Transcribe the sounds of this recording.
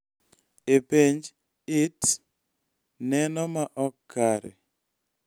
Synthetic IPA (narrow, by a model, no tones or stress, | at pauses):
epeɲd͡ʒ | ɪt | nɛnɔmaʔɔkʰːaɾḛ